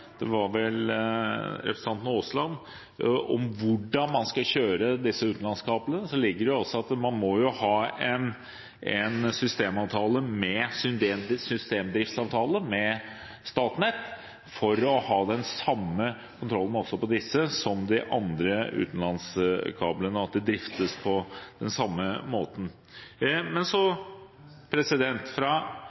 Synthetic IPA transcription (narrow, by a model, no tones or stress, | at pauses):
d̪̥ɛʋɑɾʋɛl | ɾɛpɾəsɑnt̪noːslɑnː | ɔ̰mʋʊɖːɑnmɑnskɑɕøːɾəd̪ɪsːəʉːt̪n̩lɑnskʰɑːplənəsɔlɪɡːəɖɛjʊɔsːɔɑt̪mɑnmɔjʊhɑːɛn | ɛnsʏst̪eːmɑːʋt̪ʰɑːləmɛsʏnd̪esʏst̪eːmd̪ɾɪft̪sɑːʋt̪ʰɑːləmɛ | st̪ɑːt̪nɛt̪ː | fɔɾɔhɑːd̪ɛnsɑmːə | kʰʊnt̪ʰɾɔlːn̩ɔsːɔpɔd̪ɪsːəsɔmd̪ɛʔɑnd̪ɾəʉ̰ːt̪n̩lɑnskʰɑːblənəɑt̪̚d̪ɛd̪ɾɪft̪əspʰɔd̪̥ɛnsɑmːəmoːt̪ən̩ | mɛnsɔ | pʰɾɛsɪd̪ɛnt̪fɾɑ